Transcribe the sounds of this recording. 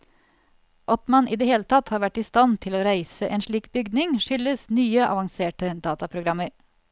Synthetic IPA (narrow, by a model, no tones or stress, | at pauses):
ʔɔt̪mɑnʔiːd̪ɛheːlət̪ʰɑt̪hɑːɾʋæʈːiːst̪ɑnt̪ʰɪloːɾæɪsəʔeːnʂɭiːkbʏɡd̪nɪŋʃʏləsnyːəʔɑ̰ʋɑŋseːʈəd̪ɑːt̪ɑpʰɾʊɡɾɑmːəɾ